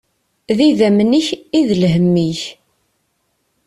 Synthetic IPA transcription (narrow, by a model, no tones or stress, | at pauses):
ðiðæmniçiðəlɦəmːiç